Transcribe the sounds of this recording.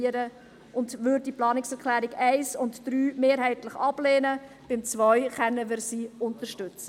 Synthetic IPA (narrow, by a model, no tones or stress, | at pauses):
əɾə | ʊndʋʏɾd̚diplɑːnɪksɛʁklæːɾɪɡɛɪsʊntd̥ɾyːmeːɾhɛɪtləχɑb̥lɛːnə | b̥ɪmt͡svœʏχɛnːəʋɪɾsiːʊntəɾʃtʏt͡sə